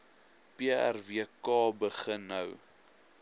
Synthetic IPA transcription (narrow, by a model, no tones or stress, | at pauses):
piæ̰rviəkɑːbəχənːɐw